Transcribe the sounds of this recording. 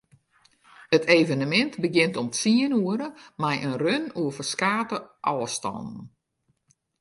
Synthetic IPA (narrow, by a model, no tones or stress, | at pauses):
ətʰejvənəmɛntbəɡɪntɔmsiənuəɾəmɛjʔənrønuəvərskaːtəʔɔːəstɔ̰nn̩